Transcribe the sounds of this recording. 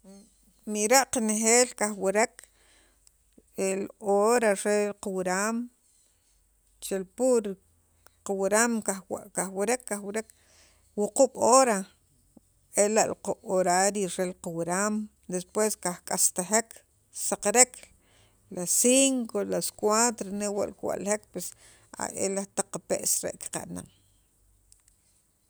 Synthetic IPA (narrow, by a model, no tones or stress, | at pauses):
miɾaʔqanexeːlkaχweɾek | eloɾaɾelqawɾaːm | t͡ʃelpuɾ | qawɾamkakaxwɾekːaxwɾek | wuquɓ̥oːɾa | elaʔluquɓ̥oɾaɾiɾelqawɾam | d̪espweskahkʼast̪aχek | saqɾekʰ | lasiŋkolaskwat̪ɾonewa̰ʔlkwa̰ʔlhek̚pwes | a̰ʔḛlat̪aqːapḛʔsɾḛʔki̥qa̰ʔna̰ŋ